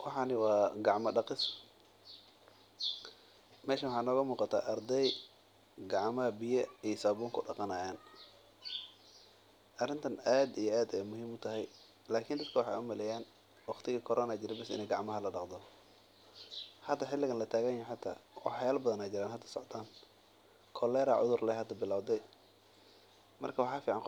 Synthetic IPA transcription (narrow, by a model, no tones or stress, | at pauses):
wɑħɑnɪwɑːɡɑʕmɐɖɑqɪsʊ | mɛːʃɐwɑħɑːɪnɔːɣɐmuːqɑt̪ʰa̰ːʔɐrd̪ɛj | ɡɑʕmɐɐbɪjɐijsɐbuːŋkʰʊɖɑqɑnaːjaːn | ʔɐrɪnt̪ʰɐnaːd̪ijɔaːd̪ɛjmʊɦiːmʊt̪ʰɐɦɛj | laːkʰɪnd̪ɐd̪̚kʰɐwɑħɑ̰jʊmɐlɛjaːn | wɑχt̪ʰɪɣɐkʰɔɾʔɔːnaːd͡ʒɪɾɛbɛsɪ̰nɛjɡɑʕmɐɦɐlɐɖɑqd̪ɔ | ħɐd̪ːɐħɪlːɪɣɐnlɐt̪ʰaːɣɐnjɛħɑt̪ʰa̰ːwɑ̰ħjaːlbɐðɐnaːd͡ʒɪɾaːnɦɐd̪ːɐ̥sɔ̰ʕt̪ʰaːn | kʰɔlɛːɾa̰ʕʊ̰ðʊrlɛhɐd̪ɐbɪlaːwd̪ɛj | mɐ̰rkʰɐwɑħɑːfiːʕɑnq